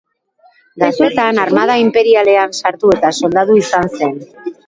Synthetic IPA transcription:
d̪asue̞t̪anarmað̞aimpe̞ɾiale̞ansaɾt̪ue̞t̪aso̞ld̪aðuisanse̞n

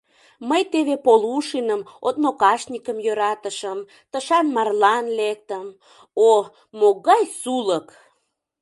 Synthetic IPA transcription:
məjt̪eβepoluʃinəmot̪nokɑʃnʲikəmjøɾɑt̪əʃəm | t̪əʃɑnmɑrlɑnlek̚t̪əm | o | moɣɑjsulək

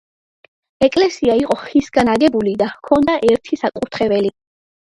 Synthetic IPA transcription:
ɛkʼlɛsiaiqʼɔχisɡanaɡɛbulid̪akʰɔnd̪aʔɛɾt̪ʰisakʼut̪ʰχɛbɛli

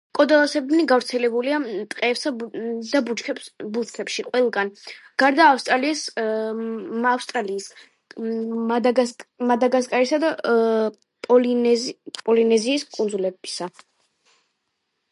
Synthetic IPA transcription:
kʼɔd̪alˠasɛbd̪niɡavɾt̪sʰɛlɛbuliat̪ʼqʼɛːpsad̪abut͡ʃkʰɛpsbulˠt̪t̪ʰɛpʃiqʼwɛlˠɡanɡ̥aɾd̪aːfst̪ʼɾalis | afst̪ʼɾaliːs | d̪ɡamad̪aɡaskʼaɾisad̪a | pʼɔl | pʼɔlinɛziːskʼund̪zulɛbisa

